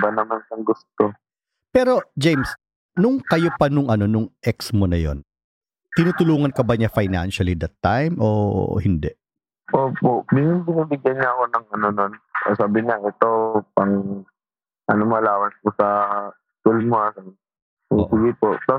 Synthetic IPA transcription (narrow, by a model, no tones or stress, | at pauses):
bɐnɐmansɐŋɡʊst̪o | pɛːɾo̞d͡ʒejms | nʊŋkɐjopɐnʊŋʔɐno̞nʊŋʔɛksmonɐjo̞̰n | t̪ɪnuːt̪ʊluːŋɐnkɐbɐɲɐfajna̰nʃɐlid̪ɐt̪ːajmʔo̰hɪnd̪ɛ | ʔoːpoʔbɪnbɪniːbɪɡjɐnɲaɐko̞nɐŋɐno̞no̞nɐsaːbɪɲaʔɛt̪o̞pɐŋ | ʔɐnomɐlaːwɐnskʊsɐ | t̪ulmoasɐn | siɡɪpoʔt̪a